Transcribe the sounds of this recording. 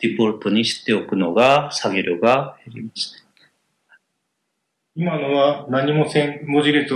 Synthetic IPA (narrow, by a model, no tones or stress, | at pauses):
d̪̥ipo̞ɾɯ̟t̪o̞ɲ̟iɕi̥t̪ːe̞o̞kɯ̟no̞ɡasaɡʲeɾɯɡaeɾʲimaɕi̥t̪ḁ | imanoβanaɲ̟imo̞sẽmmoʑiɾet͡sɨ